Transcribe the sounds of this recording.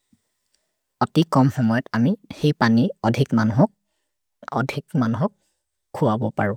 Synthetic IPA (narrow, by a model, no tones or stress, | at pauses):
ɔtikɔmxɔmɔjɔtamixejpaniɔdʱikmanuɦɔ | ɔ̰dʱikmanuɦɔkʰː | uwabɔpaɹʊ̃